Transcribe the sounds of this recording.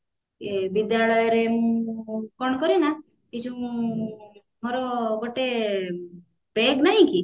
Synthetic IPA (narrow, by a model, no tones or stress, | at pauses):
ebid̪jalɔjɔɾemũũkɔɳ̃ɔkɔɾina | id͡ʒũ | moɾɔɡoʈe | beɡnaɦĩki